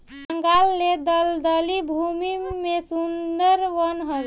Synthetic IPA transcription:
əŋɡalːed̪əld̪əlibʱumimesund̪əɾʋənɦə

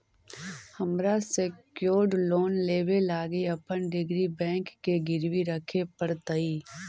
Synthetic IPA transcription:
həmɾasekjoːɖloːnleːʋelaːɡiɐpənɖɪɡɾibɛ̃ːŋkːeɡɪɾʋiɾəkʰepəɾt̪əiː

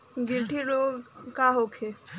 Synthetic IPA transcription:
ɡiɾʈʰiɾoɡkaɦokʰe

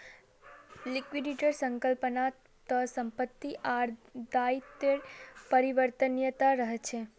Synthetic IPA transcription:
likʋiɖiʈəɾsəŋkəlpəna | t̪əsəmpət̪ːiʔaɾd̪ajt̪eɽpəɾiʋəɾt̪ənjət̪aɾəɦt͡ʃʰe

